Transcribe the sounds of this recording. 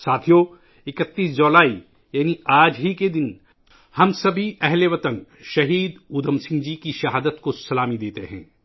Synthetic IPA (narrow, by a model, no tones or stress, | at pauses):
saːt̪ʰijo | ɪkət̪ːiːsd͡ʒoːlaːi | jaːniaːd͡ʒɦiked̪ɪn | hɐmsɐbʱiɛɦleʋɐt̪ən | ʃɐɦiːd̪uːd̪əmsɪ̃ŋɡd͡ʒikiʃɐɦaːd̪ət̪kosɐlaːmid̪eːt̪eɦɛ̰̃ː